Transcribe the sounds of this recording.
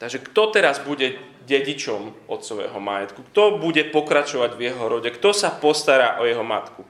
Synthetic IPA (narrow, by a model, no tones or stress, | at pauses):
t̪aɡʒɛkt̪ɔt̪ɛɾazbuɟɛ | ɟɛɟit͡ʃɔmɔt̪sɔʋɛ̰ːɦɔmajɛt̪kukt̪ɔbuɟɛpɔkɾat͡ʃɔʋaɟvjɛɦɔɾɔɟɛkt̪ɔsapɔst̪aɾaːʔɔjɛɦɔma̰t̪ku